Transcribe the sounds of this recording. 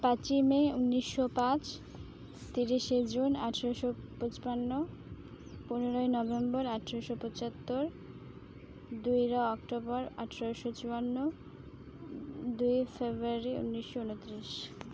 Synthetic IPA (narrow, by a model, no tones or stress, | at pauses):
pat͡ɕimeunːiʃːopãt͡ɕ | t̪iɾiʃed͡ʑunaʈʰaɾaʃopot͡ɕi̥panːo | puneɾoenɔbembɔɾaʈʰɾoʃopot͡ɕat̪ːoɾ | d̪ujɾaɔkʈobɔɾa̰ʈʰaɾaʃot͡ɕuanːo | d̪ujefebɾuaɾiṵnːiʃːounot̪ːɾiʃ